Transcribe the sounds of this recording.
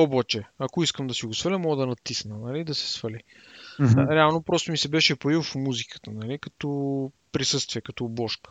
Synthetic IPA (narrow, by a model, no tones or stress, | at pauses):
obat͡ʃɛakoiskəmd̪ɐsiɡosfɐlʲəmɔɡəd̪ɐnɐt̪isnənɐliːd̪ɐsɛ̥sfɐli | ɾɛalˠnopɾɔst̪omisɛbɛʃɛpɐifmuzikə̥t̪ənɐlikɐt̪ɔ | pɾisɤst̪viɛkɐt̪ɔbɔʃkə̥